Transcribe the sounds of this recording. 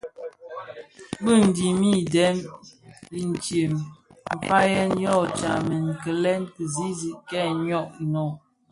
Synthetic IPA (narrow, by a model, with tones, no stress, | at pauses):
bə˦˨n̩˨di˨mi˦˨dɛ˦m | i˨n˨t͡ʃje˨m | m̩˨fa˦jɛ˦njɔ˦˨t͡ʃa̰˨mə˨ŋ̩˨kə˨lɛ˦nkə˨zi˦zi˨ʔkɛ˦˨ɲɔ˦˨ʔ̚nɔ˨